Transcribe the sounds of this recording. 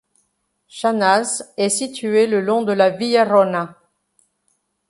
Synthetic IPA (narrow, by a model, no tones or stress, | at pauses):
ʃanazɛsit̪yeləlɔ̃d̪əlavijaʁɔna